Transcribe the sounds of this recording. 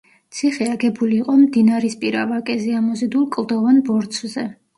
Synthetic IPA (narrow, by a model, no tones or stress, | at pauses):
t̪sʰiχɛaɡɛbuliːqʼɔmd̪inaɾispʼiɾavakʼɛziamɔzid̪ulˠkʼlˠd̪ɔvanbɔɾt̪sʰzɛ